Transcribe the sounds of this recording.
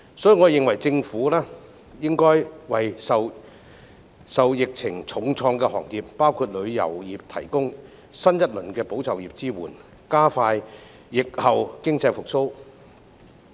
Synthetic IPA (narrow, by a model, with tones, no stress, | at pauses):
sɔː˨˥jiː˨ŋɔ˨˧˨jɪ˨ŋwɐ˨˩jt͡sɪ˧ŋfuː˨˥lɛː˥ | jɪ˥ŋkɔː˥jwɐ˨jsɐ˨w | sɐ˨wjɪ˨k̚t͡sʰɪ˨˩ŋt͡sʰʊ˨˥ŋt͡sʰɔː˧ŋkɛ˧hɔː˨˩ŋjiː˨p̚ːaː˥wkʰuː˧t̚lɵ˨˧ɥjɐ̰˨˩wjiː˨p̚t̪ʰɐ˨˩jkʊ˥ŋ | sɐ˥njɐ˥t̚lɵ˨˩nkɛː˧po˨˥wt͡sɐ˨wjiː˨˩p̚t͡siː˥wuː˨˩n | kaː˥faː˧jː | ɪ˨k̚hɐ˨wkɪ˥ŋt͡sɐ˧jfʊ˨k̚so˥w